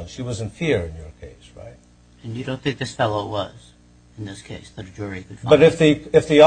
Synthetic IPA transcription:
nʃiwʌzɨ̃nfɪɹɨ̃njə˞kʰeɪsɹa̰ɪt̚ | ɨ̃njɨɾõʊ̃nθɪ̃ŋk̚ðɪsfɛlˠoʊwʌ̰z̥ | ɨ̃nðɪskʰeɪsðɨɾɨd͡ʒʊɹikɨd̥fbʌɾɨfðɨɨfði

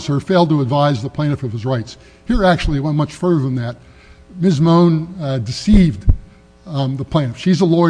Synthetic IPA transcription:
sə˞feɪlˠd̚təədvaɪzðəpʰẽɪ̃ñɨfʌv̥ɨzɹaɪts | hiɹæk̚t͡ʃʉl̩ˠiwɛ̃nmʌt͡ʃfɜ˞ðə˞ðə̃nðɨt̚ | mɪzmõʊ̃ndɨsiv | ðəpʰl̥ẽɪ̃nɨfʃizəlɔɪ

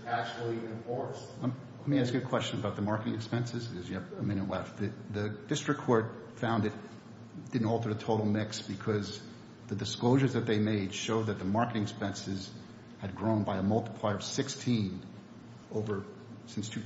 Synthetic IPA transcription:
æk̚t͡ʃl̩ˠiṽnfɔɹs | lɛt̚miæsɨkʰw̥ɛst͡ʃɨ̃nəbaʊt̪̚ðəmɑɹkɨɾɪ̃ŋɨkspɛ̃nsɨzɨzɨvɨmɪ̃ñɨtˡlɛft̪̚ðɨðɨd̥ɪstɹ̥ɨkʰɔɹt̚ | fãʊ̃ndɨt̚ | d̥ɪdⁿn̩tɔlˠtə˞ɨtʰoʊɾl̩ˠmɪksb̥ɨkʰʌz | ðɨdɨskloʊʒə˞zðɨt̪̚ðeɪmeɪd̥ʃoʊd̪̚ðɨt̪̚ðɨmɑɹkɨɾɪ̃ŋɨkspɛ̃nsɨz | ɨd̚ɡɹõʊ̃nbaɪəmʌlˠtə̥pʰl̥aɪə˞ʌv̥sɪkstʰĩn | oʊvə˞ | sɪ̃nstʰʉ

